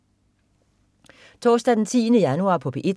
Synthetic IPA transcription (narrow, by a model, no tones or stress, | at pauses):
t͡sʰɒ̰ːsd̥æd̥en̩t͡sʰḭːnəjænuɑ̰̈ːpʰɒ̽b̥ʰeʔi̥